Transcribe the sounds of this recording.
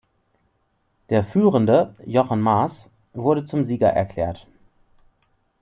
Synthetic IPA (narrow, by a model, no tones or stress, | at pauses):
d̥eːɐfyːʁəndəjɔχənmas | v̥ʊɐɾət͡sʊmziːɡɐ̰ʔɛ̰ɐkl̥ɛ̰ːɐt